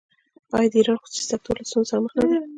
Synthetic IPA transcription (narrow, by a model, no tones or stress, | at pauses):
ɑjd̪əiɾɑnxʊ̥su̥si̥d̪ak̚t̪ʰoɾlasunsɑməχnad̪a